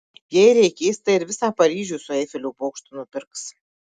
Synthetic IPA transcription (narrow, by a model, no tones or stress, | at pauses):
jɛjɾʲɛɪkʲeːsʲt̪ɐɪɾʋʲɪsɑːpɐɾʲiːʒʲuːsʊeːfʲɛlʲuːpoːkʃt̪ʊnʊpʲɪɾks